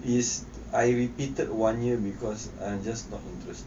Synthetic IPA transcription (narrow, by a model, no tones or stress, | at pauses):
is | ajɹipitəd̚wãnjibikɔs | ãjmd͡ʒasnɔtĩntɹɛst